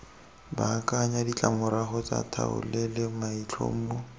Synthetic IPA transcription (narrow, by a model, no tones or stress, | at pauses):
bakʼaɲadit͡ɬʼamʊɾaχɔt͡sʼa̰tʰa̰ʊ̰lɛlemait͡ɬʰo̰m̩mo